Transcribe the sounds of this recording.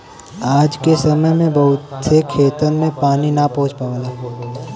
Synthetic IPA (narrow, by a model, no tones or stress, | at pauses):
aːd͡ʒkesɐməjmẽbɐɦʊt̪sekʰeːt̪əɾmẽpaːninapɔ̃ɦʊ̃t͡ʃpaːʋlaːɦ